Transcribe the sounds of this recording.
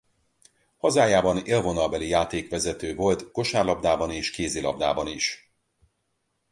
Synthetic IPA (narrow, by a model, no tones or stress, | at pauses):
hɒzaːjaːbɒneːlvo̞nɒlbɛlijaːt̪eːkʋɛzɛt̪øːvo̞lt̪ko̞ʃaːrlɒbd̪aːbɒneːʃkeːzilɒ̰b̚d̪a̰ːbɒniʃ